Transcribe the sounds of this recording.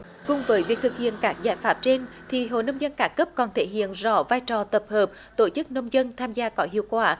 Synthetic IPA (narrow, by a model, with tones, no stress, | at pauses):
kʊ˨˩ŋ͡mvəː˨˦jvi˨˩ət̪ɨ˨˩k̚hḭ˧˨ənkaː˦˥k̚zaː˧˩jfaː˦˥p̚t͡ɕe˧n | t̪ʰi˨˩ɦo̰˧˨nə˧wŋ͡mzə˧nkaː˨˦kə˦˥p̚kɔ˨˩nt̪ʰe˧˩ɦḭ˧˨ənzɔ̰˧˩vaː˧jt͡ɕɔ˨˩t̪ə˨˩p̚həː˨˩p̚ | t̪o˧˩t͡ɕɨ˦˥k̚nə˧wŋ͡mzə˧nt̪ʰaː˧mzaː˧kɔ˨˦ɦḭ˧˨əwkwaː˧˩